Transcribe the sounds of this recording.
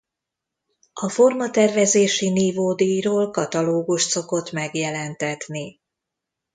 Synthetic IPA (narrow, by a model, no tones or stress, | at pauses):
ɒfo̞rmɒt̪ɛrvɛzeːʃiniːvoːd̪iːjroːlkɒt̪ɒloːɡuʃt̪so̞ko̞t̪mɛɡjɛlɛnt̪ɛt̪ni